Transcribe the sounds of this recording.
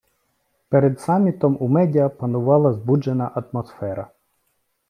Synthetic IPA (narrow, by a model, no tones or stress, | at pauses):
peɾed̪sɑmʲːit̪ɔmumɛdʲɐpɐnʊʋɑlˠɐzbud͡ʒenɐʔɐt̪mɔsfɛɾɐ